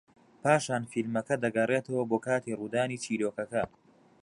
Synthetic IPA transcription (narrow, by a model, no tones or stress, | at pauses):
pʰaːʃaːnfilmɐkɐd̪ɐɡɐreːt̪ʰɐwɐboːkʰaːt̪iːruːd̪aːniːt͡ʃʰiːɾoːkɐkɐ